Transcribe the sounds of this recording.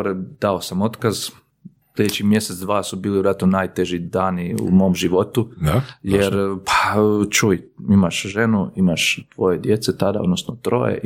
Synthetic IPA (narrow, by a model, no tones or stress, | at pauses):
ɾed̪̥aosamo̞t̪kaz | slʲʎʲed̪et͡ɕimje̞set̪d̪ʋaːsubiːliʋjɾat̪nonaːjt̪eʒid̪aːniṵmo̞mʒiʋo̞t̪ujeɾpʰḁt͡ʃujimaʃʒe̞nuimaʃt̪ʋo̞je̞d̪je̞t̪set̪ad̪ao̞d̪nosnot̪ɾo̞̰jḛ